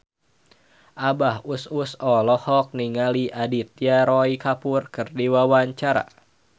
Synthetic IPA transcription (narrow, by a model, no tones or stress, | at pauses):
ʔabahususɔlɔhɔk̚niŋaliʔadit̪̚jaɾɔikapurkɨrdiwawaɲt͡ʃaɾa̰